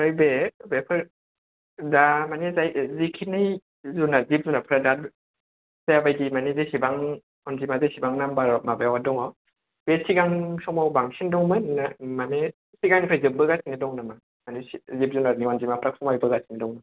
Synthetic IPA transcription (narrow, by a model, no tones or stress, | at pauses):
ɾɯjbebepʰɯɾ | damanezajzikʰinɯj | zunazip̚zunapʰɯɾada | zajabajdimanezesibaŋ | ɔnzimazesibaŋnambaɾɔmabawadɔŋɔ | b̥esiɡaŋsɔŋmabaŋsʰindɔŋmɯnːamane | siɡaŋnipʰɯzɯbɯɡasinidɔŋnama | manesizip̚zunaɾniɔnzimapʰɾak̚sʰɔmajbɯɡasi̥nidɔŋmɯn